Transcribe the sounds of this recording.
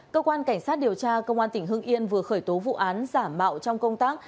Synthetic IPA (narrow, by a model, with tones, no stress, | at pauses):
kəː˧kwaː˧nka˧˩jŋ̟saː˦˥t̚ɗi˨˩əwt͡ɕaː˧kə˧wŋ͡mʔaː˧nt̪ï˧˩ŋ̟ɦɨ˧əŋʔi˧ənvɨ˨˩əxəː˧˩jt̪o˨˦vṵ˧˨ʔaː˨˦nzaː˧˩mːa̰ː˧˨wt͡ɕɔ˧wŋ͡mkə˧wŋ͡mt̪aː˦˥k̚